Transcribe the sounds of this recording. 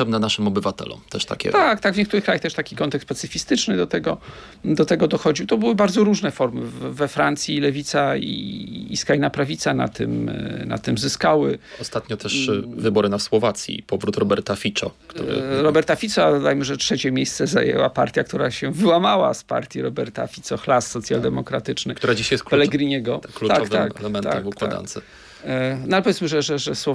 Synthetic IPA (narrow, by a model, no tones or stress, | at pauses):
ɛbnɛnaʂɘmɔbɘvat̪ɛ̰lɔ̰mt̪ɛʂt̪a̰kʲɛ̰t̪ak̚t̪aɡvɲɛkt̪uɾɘkɾajaxt̪ɛʂt̪akʲikɔnt̪ɛkspat̪sɘfʲist̪ɘt͡ʂnɘd̪ɔt̪ɛɡɔ | d̪ɔt̪ɛɡɔd̪ɔxɔd͡ʑiwt̪ɔbɘwɘbaɾd̪zɔɾuʐnɛfɔɾmɘvɛfɾant̪sʲjilɛvʲit̪saḭːskɾajnapɾavʲit̪sana̰t̪ɘ̰mna̰t̪ɘmzɘskawɘɔst̪at̪ɲɔt̪ʰɛʂvɘbɔɾɘnaswɔvat̪sʲjḭpɔvɾut̪ɾɔbɛɾt̪afʲit͡ʂɔ̰kt̪ṵɾɨ̰ɾɔbɛɾt̪afʲit̪sɔd̪ɔd̪ajmɘʐɛtʂɛt͡ɕɛmʲjejst̪sɛza̰jɛ̰wapa̰ɾt̪ʲjak̚t̪uɾaɕɛvɘwamawa̰spa̰ɾt̪ʲjiɾɔbɛɾt̪a̰fʲit̪sɔxlasːɔt̪sʲja̰ld̪ɛmɔkɾat̪ɘt͡ʂnɘkt̪uɾad͡ʑiɕjɛst̪kpɛlɛɡɾɨɲɛɡɔkluaɔktvakɛlɛmɛna̰ɛkmukw̪aa̰da̰nt̪sɨ | nɔalɛp̬ɔvʲjɛt̪smɘʐɛʐɛʐɛswɔ